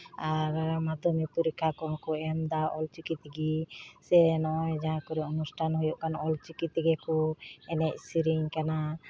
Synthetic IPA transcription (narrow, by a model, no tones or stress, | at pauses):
aɾmad̪ʱɔmipuɾikʰːakɔŋkɔɛmd̪aʔɔlt͡ʃikit̪iɡisɛnɔjd͡ʒaɦãkɔɾɛɔnusʈʰanɦɔjɔʔkanɔlt͡ʃikit̪iɡɛkuɛnɛʔ̚siɾiɲkana